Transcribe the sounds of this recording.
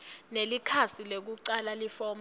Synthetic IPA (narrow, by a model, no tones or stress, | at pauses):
nelikʰasilek̬uǀalalifɔm